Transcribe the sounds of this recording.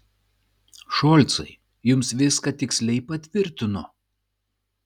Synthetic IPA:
ʃɔːlʲt̪sɐ̰ɪ | jʊmsʋʲɪskɐt̪ʲɪksʲlʲɛɪpɐt̪ʲʋʲɪɾʲt̪ʲɪnʊ

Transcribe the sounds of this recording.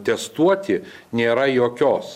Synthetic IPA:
t̪ʲɛst̪uɔt̪ʲɪnʲeːɾɐjoːkʲoːs

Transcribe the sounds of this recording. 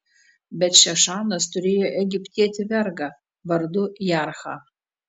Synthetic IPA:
bʲɛtʃɛʂaːnɐstʰʊɾʲeːjoʔɛɡʲɪpʲtʰʲiɛtʰʲɪvʲɛrɡɐ | vɐrdʊjaːrχa̰

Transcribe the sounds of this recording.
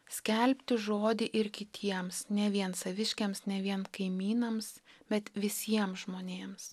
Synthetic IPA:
sʲkʲɛlʲpʲt̪ʲɪʒoːd̪ʲɪʔɪɾkʲɪt̪ʲʰiɛmsnʲɛʋʲiɛnsɐʋʲɪʃʲkʲemsnʲɛʋʲiɛnkɐɪmʲiːnɐmsb̥ʲɛt̪ʋʲɪsʲiɛmsʒmoːnʲeːms

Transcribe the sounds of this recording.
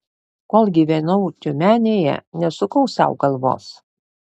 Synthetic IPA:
koːlˠɡʲiʋʲɛnɐʊt̪ʲʊmʲæːnʲeːjɛ̰nʲɛsʊkɐʊsɑ̰ˑʊɡɐlˠʋo̰ːs

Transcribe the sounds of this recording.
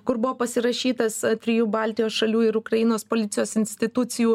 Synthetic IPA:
kʊɾbʊʋoːpɐsʲɪɾɐʃʲiːt̪ɐsst̪ʲɾʲɪjuːbɑˑlʲt̪ʲɪjoːsʃɐlʲuːɪɾʊkɾɐjɪnoːspoːlʲɪt̪sʲɪjoːsɪnʲsʲt̪ʲɪt̪ʊt̪sʲɪjuː

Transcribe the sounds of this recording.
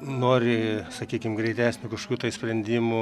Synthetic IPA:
noːɾʲɪsɐkʲiːkʲɪmɡɾʲɛɪt̪ʲæːsʲnʲʊkɐʃo̥kʲuːt̪ɐɪsʲpʲɾʲɛnʲd̪ʲiːmʊ

